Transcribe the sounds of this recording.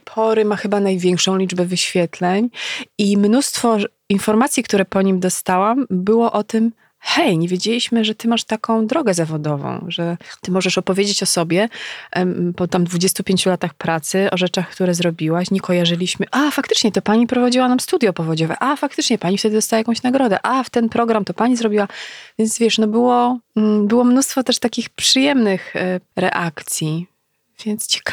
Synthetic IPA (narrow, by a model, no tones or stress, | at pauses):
pʰɔɾɘmaxɘbanajvʲjɛŋkʂɔ̃w̃lʲid͡ʐbɛvɘɕfʲjɛt̪lɛɲimnust̪fɔ | infɔɾmat̪sʲjikt̪uɾɛpɔɲimd̪ɔst̪awambɘwɔʔɔt̪ɘm | xɛjɲevʲjed͡ʑelʲiɕmɘʐɛt̪ɘmaʂt̪akɔ̃w̃d̪ɾɔɡɛzavɔd̪ɔvɔ̰̃w̃ʐɛt̪ɘmɔʐɛʂɔpɔvʲjed͡ʑet͡ɕɔsɔbʲjɛ | pɔt̪amd̪vud͡ʑest̪upʲjeɲt͡ɕulat̪axpɾat̪sɘʔɔʐɛt͡ʂaxkt̪uɾɛzɾɔbʲiwaɕɲɛkɔjaʐɘlʲiɕmɘʔafakt̪ɘ̥t͡ʂɲɛt̪ɔpaɲipɾɔvad͡ʑiwanamst̪ud̪jɔpɔvɔd͡ʑɔvɛ̰ʔafak̚t̪ɘt͡ʂɲɛpaɲift̪ɛd̪ɘd̪ɔst̪awajakɔ̃w̃ɕnaɡɾɔd̪ɛ̰ʔaft̪ɛnpɾɔɡɾamt̪ɔpaɲizɾɔbʲiwavʲjɛnt̪zvʲjɛʂnɔbɘwɔbɘwɔmnust̪fɔt̪ɛʂt̪akʲixpʂɨjɛmnɘxɾɛ̰ʔakt̪sʲji | vʲjɛnt̪st͡ɕɛ̥k